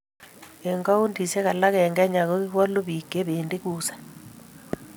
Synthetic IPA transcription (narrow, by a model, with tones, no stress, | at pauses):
eŋɡa˦u˦ndi˨se˦ɣa˨la˦ɣe˨ŋɡɛ˦ɲa˨ɣo˦ɣi˦ɣwa˦lo˦βi˨ke˦βende˦ɣuːsḁ